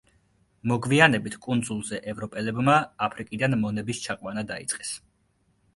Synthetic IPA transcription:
mɔɡvianɛbit̪ʰkʼund̪zulˠzɛʔɛvɾɔpʼɛlɛbmaːpʰɾikʼid̪anmɔnɛbist͡ʃʰaqʼwanad̪aḭt̪sʼqʼɛs

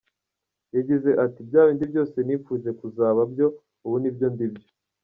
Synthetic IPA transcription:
jaɟize̞ʔatibɟaːβiːndibjo̞ːse̞niːfuːze̞kuzaːβabɟo̞ | uβunibjo̞ndibjo

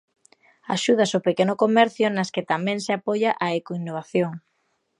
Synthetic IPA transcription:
a̰ʃuð̞ɐsopekenʊkomɛɾθjʊnɐsket̪amɛ̃ŋseapojaʔaekoinːoβ̞aθjoŋ

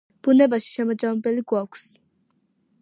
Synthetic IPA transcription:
b̥unɛbaʃi̥ʃɛmad͡ʒamɛbɛliɡakʷʰs

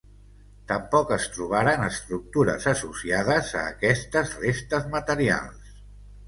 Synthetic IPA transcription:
t̪əmpɔkəst̪ɾuβ̞aɾanəst̪ɾuk̚t̪uɾə̰zəsusiað̞əzə̰ːkɛst̪əzrest̪əzmət̪əɾia̰lˠs

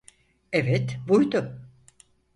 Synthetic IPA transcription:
evɛt̪bujd̪ʊ

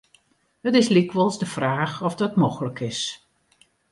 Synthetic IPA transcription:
hətɪslikʋɔlˠzdəfraːxɔfdɔtmoxələkɪs

